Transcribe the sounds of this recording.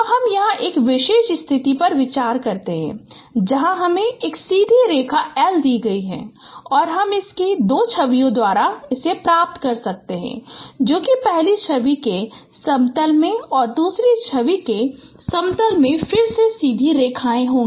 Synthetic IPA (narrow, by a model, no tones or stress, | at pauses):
ɦɐmjɐɦãʔeːkʋɪʃeːʃɪst̪ʰɪt̪ipɐɾʋɪt͡ʃaːɾkɐɾt̪eɦɛ̰̃ | d͡ʒɐɦãɦɐmẽeːksiːd̪ʱiɾeːkʰaɛːld̪iːɡɐiɦɛ̰̃ːɔːɾɦɐmɪsked̪oːt͡ʃʰɐʋijõd̪waːɾaɪsepɾaːp̚t̪kɐɾsɐk̚t̪eɦɛ̰̃ːd͡ʒoːkipɛɦlit͡ʃʰɐʋike | sɐ̃mt̪əlmẽɔːɾd̪uːsɾit͡ʃʰɐʋike | sɐ̃mt̪əlmẽfɪɾsesiːd̪ʱiɾeːkʰaːẽɦõːŋɡ